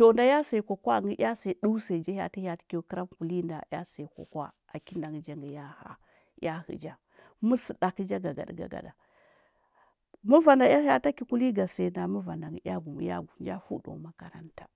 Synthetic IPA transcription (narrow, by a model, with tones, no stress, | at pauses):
to˨nda˦ja˦sa˨i˨ko˨kʷa˦˨ŋɡə˦ja˦se˨ɗu˦se˨d͡ʒa˦hja̰˨ti˦ja˨ti̥˦kkɾa˦mku˨li˦nda˨ja˦sa˨i˨ko̰˨kwa̰˦ | a˨ki˦nda˨ŋɡə˨d͡ʒa˦ŋɡə˨ja˦ha̰˨ | ja˦hə̰˨d͡ʒa˦ | mu˦sə˨ɗa˨kə˦d͡ʒa˦ɡa˨ɡa̰˨dɡa̰˨ɡa̰˨da˨ | mu˦va˨nda˨ja˦a˦ta˦ki˨ku˦li˦ɡa˨se˨nda˨mu˦va˨nda˨ŋɡə˨ja̰˦ɡu˨mṵ˨ja̰˦ɡu˨nd͡ʒa˦fṵ˦ɗo̰˨ma˨ka˨ɾa̰˦nta˨